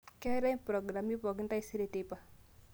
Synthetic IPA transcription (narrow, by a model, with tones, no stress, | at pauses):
kɛ˦ɾɛ˦pɾɔ˨ɡɾa˨mi˦pɔ˨ɡi˦nta˦i˦si˦ɾe˦˨te˦pa˨